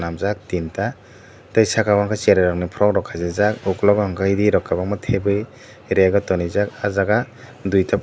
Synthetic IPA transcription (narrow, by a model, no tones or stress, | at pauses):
namzak̚tinta | tajsakabaŋkʰat͡ʃeɾaɾaŋnipʰɾɔk̚ɾɔkʰazezakuklɔkaŋkʰɯidiɾɔkːabaŋmɯtʰebɯj | ɾeɡɔtɔnizakazaɡa | dujtʰa